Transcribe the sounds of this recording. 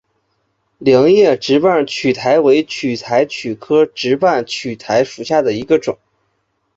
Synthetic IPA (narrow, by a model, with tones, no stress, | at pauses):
ljɑ˧˥ŋjɛ˥˩ʈ͡ʂɻ̩˧˥pa˥˩nt͡ɕʰy˨˩t̪ʰa˧˥ɪwe˧˥ɪt͡ɕʰy˨˩t̪ʰa˧˥ɪt͡ɕʰy˨˩kʰɤ˥ʈ͡ʂɻ̩˧˥pa˥˩nt͡ɕʰy˨˩t̪ʰa˧˥ɪʂu˨˩ɕja˥˩d̪ə˩i˧˥ɡə˧ʈ͡ʂʊ˨˩˦ŋ